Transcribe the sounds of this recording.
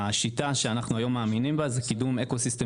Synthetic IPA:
aʃit̪aʃe̞anaχnuajo̞mːaːminimbazekidume̞kosist̪e

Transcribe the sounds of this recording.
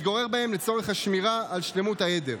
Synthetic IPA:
t̪ɡo̞ʁe̞ʁbae̞mlet͡so̞ʁe̞χaʃmiʁaːlʃle̞mutajede̞̰ʁ

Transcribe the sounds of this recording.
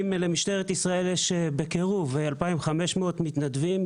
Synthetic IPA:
mle̞miʃt̪eʁet̪isʁae̞ljeʃebekeʁuvealpaimχame̞ʃmeot̪mit̪nad̪vim

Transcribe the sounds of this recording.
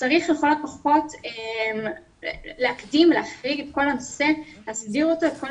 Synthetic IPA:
t͡saʁiχjeχo̞lot̚paχo̞tem | leakdimleaχʁiɡetko̞lanose̞easdiʁo̞toetko̞

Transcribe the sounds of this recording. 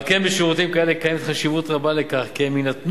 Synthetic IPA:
kenbeʃeʁut̪imkaelekajemet̪χaʃivut̪ʁabalekaχkieminat̪n

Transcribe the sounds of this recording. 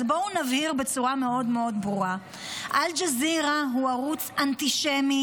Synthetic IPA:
bounavhiʁbe̞t͡suʁame̞o̞dme̞o̞dbʁuʁa | ʔald͡ʒaziʁaɦuaʁut͡santiʃemi

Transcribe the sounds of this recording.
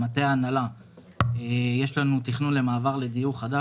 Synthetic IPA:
mat̪e̞aːnala | eje̞ʃlanut̪iχnunle̞maːvaʁle̞d̪ijuχad̪a

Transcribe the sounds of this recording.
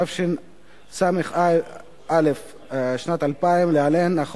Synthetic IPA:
afʃin | sameχ | alef | ʃnat̪alpaimlealenːaχ

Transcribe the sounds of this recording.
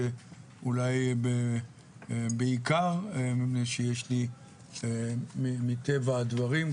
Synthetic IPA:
e | ulajbe | beikaʁmipnejʃejeʃli | emimit̪evaːd̪vaʁim

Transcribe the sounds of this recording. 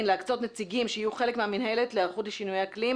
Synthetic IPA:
nleakt͡so̞tnet͡siɡimʃeijuχele̞kmeaminɦele̞tleaχudleʃinujehaklim

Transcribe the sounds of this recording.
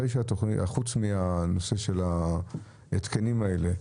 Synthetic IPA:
ejʃeat̪o̞χniaχut͡smiano̞se̞ʃe̞la | et̪kenimaele

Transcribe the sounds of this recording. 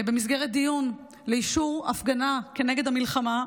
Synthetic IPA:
be̞mis̬ɡeʁet̪̚d̪ijun | leiʃuʁafɡanakeneɡe̞d̪amilχama

